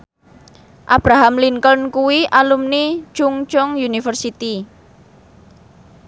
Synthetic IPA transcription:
ʔab̥ɾaɦamliŋkənkuwiʔalumni̥t͡ʃʊŋt͡ʃɔŋjunifərsit̪i

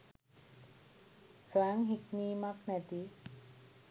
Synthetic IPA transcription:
soaŋɦikniːmaknæt̪i

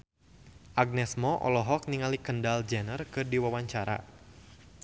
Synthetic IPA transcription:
ʔaɡ̚nɛsmɔʔɔ̰lɔɦɔk̚niŋalikəndald͡ʒɛnərkɨrdiwawaɲt͡ʃaɾa̰

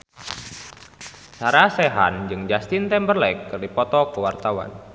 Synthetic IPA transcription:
saɾasɛɦa̰nd͡ʒɨŋd͡ʒast̪ɪnt̪ɛmbərlɛkːɨrdipɔt̪ɔkəwart̪awa̰n

